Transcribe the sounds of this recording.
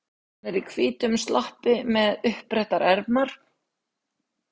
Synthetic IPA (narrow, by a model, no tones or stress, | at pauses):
hanɛɾikʰviːt̪ʏmst̪lʔahpɪmɛðʏhpɾɛht̪aɾʔɛɾpnaɾ̥